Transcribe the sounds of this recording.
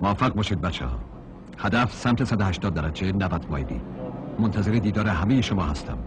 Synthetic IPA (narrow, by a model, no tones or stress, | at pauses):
mofæɣ̚bɒːʃiːd̪̚bæt̪t͡ʃʰːḛhɒ̰ː | hæd̪æfsæmt̪ʰesæd̪ohæʃt̪ɒːd̪ːæɾæd͡ʒenævæd̪mɒ̰ːjeb̪ḭːmont̪ʰæzeɾed̪iːd̪ɒːɾeɦæmejeʃomɒ̰ːhæst̪ʰæ̰m